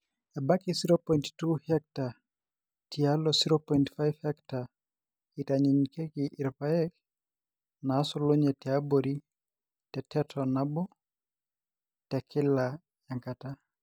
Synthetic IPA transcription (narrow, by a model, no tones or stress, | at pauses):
ɛbakisiɾopɔjinttuhɛk̚ta | tialɔsiɾɔpɔjntfajvhɛkta | itaɲiɲikɛkiʔiɾpaɛk | naːsɔlɔɲɛtɛabɔɾi | tɛtʰɛtʰɔnabɔ | tɛkʰɛla | jaŋkata